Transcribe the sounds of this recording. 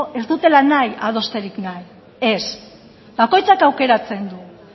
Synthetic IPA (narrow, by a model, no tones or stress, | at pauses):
e̞zd̪ut̪e̞lanajað̞o̞st̪e̞ɾiknaj | e̞s | bako̞jt͡sakawke̞ɾat͡se̞nd̪u